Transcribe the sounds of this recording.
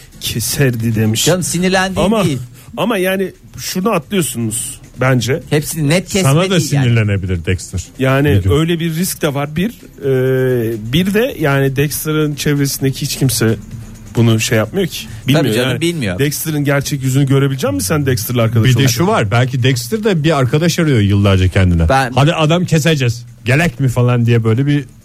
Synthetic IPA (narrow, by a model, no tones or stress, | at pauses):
cʰɛsæɾd̪id̪emiʃasiniɾlʲænd̪amai | amajaːnɪ | ʃuɾd̪aat̪lˠɯjo̞sunuz̥ | bænd͡ʒɛhɛpsininɛt̪̚cʰsanad̪asiniɾlʲenebilʲiɾd̪ɛkst̪ɯɾ̥jaːniø̞jlʲɛbiɾːisc̚d̪ɛvaɾbiɾ | ɛːbiɾd̪ɛjaːnid̪ɛcst̪ʰɯɾɯnt͡ʃʰɛvɾesind̪ecʰihit͡ʃcʰimsɛ | b̥unuʃejːap̚majocʰi̥ | bilʲmijoaanbilʲmijod̪ɛkst̪ʰɯɾɯnɟæɾt͡ʃʰɛcjyzynyɟø̞ɾebilʲid͡ʒɛmmisænd̪ɛcst̪ɯɾlʲˠaɾkad̪abid̪ɛʃuvaɾbælʲcid̪ɛkst̪ʰiɾd̪ɛbiaɾkʰad̪aʃaɾɯjo̞jɯlˠːaɾd͡ʒacʰɛnd̪inɛ̰had̪iʔad̪amcʰe̞s̬ed͡ʒɛz̥ | ɟelʲɛcmifalˠand̪ijɛbø̞jlʲɛbi